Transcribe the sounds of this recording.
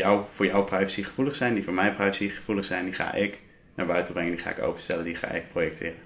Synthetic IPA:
jɔwv̥ʊːɹjɔwprajvəsiχəv̥uləχsɛjndivʊːɹmɛjprajəsiχəv̥uləχsɛjndiχa̰ːʔɪk | naːɹbœɥtəbrɪŋəndiχa̰ːɪ̰ko̰wpə̥nstɛləndiχa̰ːʔɪ̰k̚projɛk̚tʰɪːrən

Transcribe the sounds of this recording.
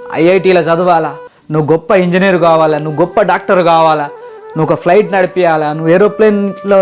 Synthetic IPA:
ɐ̰jɐjʈiːlɐt͡ʃɐd̪uʋaːlɐ | nuʋuɡɔpːɐiɲd͡ʒiniːɐɾukaːʋaːlɐnuʋuɡɔpːɐɖaːk̚ʈɐɾukaːʋaːla | nuɔkɐpʰlɐjʈnɐɽipijaːlanuʋueːɾoːpleːnloː

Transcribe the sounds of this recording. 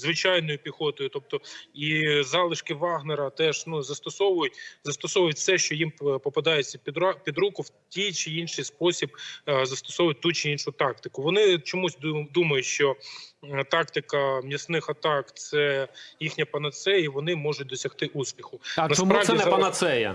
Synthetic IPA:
zʋɪt͡ʃɑjnɔjʊpʲixɔt̪ɔjʊt̪ɔp̚t̪ɔizɑlˠɪʃkɪʋɑɣneɾɐt̪ɛʒnuzɐst̪ɔsɔʋʊjʊtʲzɐst̪ɔsɔʋʊjʊtʲsɛʃt͡ʃɔjimpɔpɐd̪ɑjet͡sʲːɐpʲd̪pʲid̪ɾukʊwtʲijt͡ʃɪinʃɪjspɔsʲib̚zɐst̪ɔ̥sɔʋʊjʊt̚ʲt̪ut͡ʃɪinʃʊt̪ɑk̚t̪ɪ̥kʊʋɔnɪt͡ʃɔmusʲd̪umɐjʊʃt͡ʃɔ | t̪ɑkt̪ɪkɐmʲisnɪxɐt̪ɑkt̪sɛjixnʲɐpɐnɐt̪sɛjiʋɔnɪmɔʒʊt̚ʲd̪ɔsʲɐxt̪ɪʔuspʲixʊnɐsppɾɑʋdʲizɛpɐnɐsɛjɐ̰

